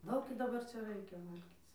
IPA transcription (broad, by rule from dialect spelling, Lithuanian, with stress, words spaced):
ˈdɐʊk ɪr dɐˈbɐr t͡ʃʲɛ ˈrɐɪkʲɛ ˈʋɐlʲɡʲiːt͡s